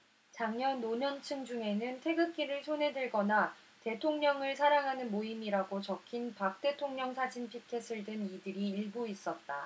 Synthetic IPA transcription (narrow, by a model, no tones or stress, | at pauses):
t͡ɕaŋɲʌnːoɲʌnt͡ɕʰɯŋd͡ʑuŋe̞nɯntʰe̞ɡɯk̚k͈iɾɯɭsʰonɦe̞dɯɭɡʌna | te̞tʰoŋɲʌŋɯɭsʰaɾaŋɦanɯnmoimiɾaɡot͡ɕʌkʰinpak̚t͈e̞tʰoŋɲʌŋsʰad͡ʑinpʰikʰe̞s͈ʰɯɭdɯnidɯɾiːɭbuis͈ʌt̚t͈a